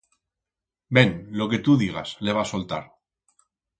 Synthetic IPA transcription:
be̞nlo̞ke̞t̪uðiɣ̞a̰sle̞βasolt̪a̰ɾ

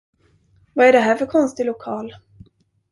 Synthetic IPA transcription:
vaæɖɛɦæːɾfœɾkʰɔnst̪ɪlʊkʰɑːl

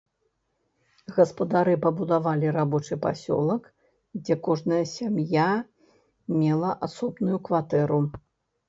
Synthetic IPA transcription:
ɣɐspɐd̪aɾɨpɐbud̪avalʲiɾabɔt͡ʂɨpa̰sʲɔ̰lˠɐk | d͡zʲɛkɔʐnɐjɐsʲamja | mʲɛlˠɐʔasɔbnujukvat̪ɛɾu

